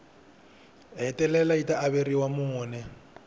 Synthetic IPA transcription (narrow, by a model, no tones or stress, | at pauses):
ɦɛtʼɛlɛlaitʼaʔːβeriwamʊnɛ